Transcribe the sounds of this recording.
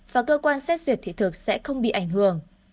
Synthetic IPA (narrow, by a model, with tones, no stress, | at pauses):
vaː˨˩kəː˧kwaː˧nsɛ˦˥t̚zwi˨˩ət̪ʰḭ˧˨t̪ʰɨ˨˩k̚sɛ̰˧˥xə˧wŋ͡mɓḭ˧˨ʔa˧˩jŋ̟ɦɨ˧˩˨əŋ